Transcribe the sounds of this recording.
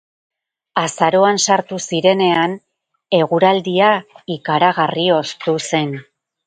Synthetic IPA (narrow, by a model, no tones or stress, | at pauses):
asaɾo̞ansaɾt̪usiɾe̞ne̞an | e̞ɣuɾald̪iaikaɾaɣ̞ario̞st̪use̞n